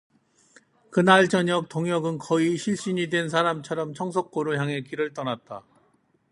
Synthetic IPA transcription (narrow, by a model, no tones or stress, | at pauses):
kɯnaɭt͡ɕʌɲʌk̚toŋjʌɡɯnkʌiɕʰiɭɕ͈iɲidwe̞ns̬ʰaɾamt͡ɕʰʌɾʌmt͡ɕʰʌŋs̬ʰok̚k͈oɾojaŋe̞kiɾɯɭt͈ʌnat̚t͈a